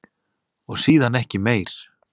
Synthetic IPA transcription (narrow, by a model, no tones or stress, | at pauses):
ɔɣsiːðanɛhcɪmeːjɾ̥